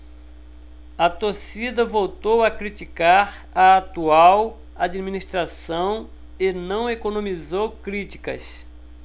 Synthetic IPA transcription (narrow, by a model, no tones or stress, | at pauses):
ɐt̪osid̪ɐvowt̪owɐkɾit͡ʃikaɾ | ɐat̪uaw | ad͡ʒiminiʃt̪ɾasɐ̃w̃ | ɪnɐ̃w̃ekonõmizowkɾit͡ʃi̥kɐ̰s